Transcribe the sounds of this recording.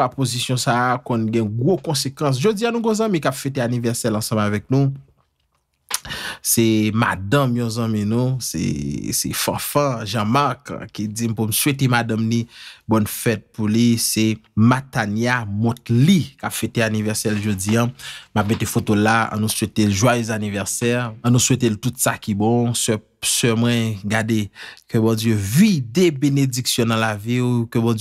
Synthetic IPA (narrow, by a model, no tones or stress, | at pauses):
apozisjɔ̃sakɔ̃nɡɛ̃ɡʁokɔ̃sekɐ̃s̬ʒod͡zijãnũɡõzãmĩkapfeteanivɛʁsɛlɑ̃sɑ̃mavɛk̚nũ | sɛma̰dãmjɔ̃zãmĩnũsḛsɛ̰fã̰fãʒɑ̃maʁkkid͡zimpumswetemadãmnibɔnfɛt̚pulisematanjamɔ̃tlikapfeteanivɛʁsɛlʒod͡ziãmap̚metefotolaã̰nũswetelʒwajøzanivɛʁsɛʁ̃ːnũsweteltutsakibɔ̃s | sɛmwɛ̃ɡadekøbɔ̃d͡zjøvidebened͡ziksjɔ̃nɐ̃laviukøbɔ̃